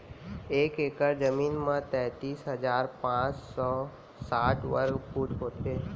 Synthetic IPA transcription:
eːkekəɾd͡ʒəmiːnmãt̪ɛ̃ʈiːsɦəd͡ʒaːɾpãt͡ʃsɔ | saːʈʰʋə̰ɾkpuʈɦoːt̪e

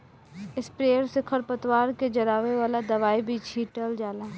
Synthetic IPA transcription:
ɪspɾeːjəɾsɪkʰəɾpət̪waːɾked͡ʒɐɾaːʋeʋaːlad̪ɐʋaːibʱit͡ʃʰiːʈəld͡ʒaːlaː

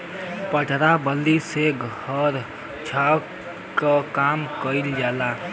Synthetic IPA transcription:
pəʈɾabəlːiseɡʱhəɾ | t͡ʃʰa | kəkamkəild͡ʒala

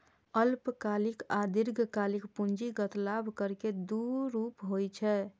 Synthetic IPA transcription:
əlpkalikad̪iɾɡʱkalikpund͡ʒiɡət̪labʱkəɾked̪uɾupɦojt͡ʃʰɛ

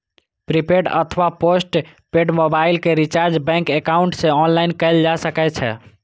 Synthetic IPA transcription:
pɾipeɖə̰t̪ʰʋaposʈ | peɖmobailkeɾit͡ʃaɾd͡ʒbɛ̃ŋkekauɳʈsẽɔnlainkɛɪld͡ʒasəkɛt͡ʃʰɛ̰

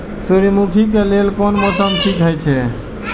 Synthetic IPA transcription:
suɾmukʰik̬elelkonmɔsəmsʰik̪ɦəjt͡ʃʰɛ

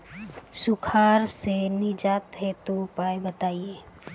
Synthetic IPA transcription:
sʊkʰaːɾsenɪd͡ʒaːt̪ɦet̪opaːjbət̪aːieː

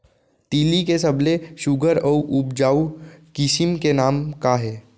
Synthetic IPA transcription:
t̪iːlikesɐbleʃʊɡʱəɾɔːʔʊbd͡ʒaːukɪsɪmkenaːmkaɦɛː

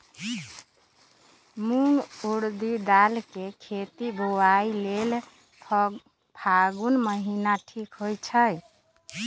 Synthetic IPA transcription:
muŋɡuɾd̪id̪alkekʰet̪ibʱowailel | pʰaɡunməɦinaʈʰikɦojt͡ʃʰəj

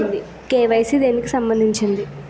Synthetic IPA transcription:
nd̪i | keːʋɐjsid̪e̞ːnikisɐmbɐnd̪iɲt͡ʃind̪i

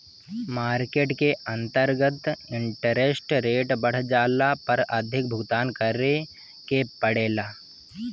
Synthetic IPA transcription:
maːɾkeːʈkeɐ̃nt̪əɾɡət̪ɪ̃ɳʈəɾesʈɾeːʈbɐɽ̤d͡ʒaːlapɐɾəd̪ʱɪk̚bʱʊɡt̪aːnkəɾe | kepəɽeːlaː

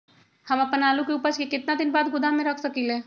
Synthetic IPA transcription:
hɐmɐpənaːlukeuːpəɾskekɪt̪nad̪ɪnbaːd̪̚ɡʊd̪ʱamẽɾɐkʰsɐkileː

